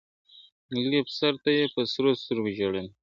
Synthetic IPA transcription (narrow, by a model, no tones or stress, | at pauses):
lipsaɾt̪ajepəsɾosuɾɡʒaɽen